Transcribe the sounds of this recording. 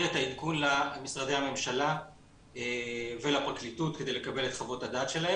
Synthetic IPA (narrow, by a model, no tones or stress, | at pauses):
etaitkunlamisʁade̞jhame̞mʃala | eve̞lapʁaklitut̚ked̪e̞jle̞kabe̞le̞t̪χavo̞tadaːt̪ʃe̞lae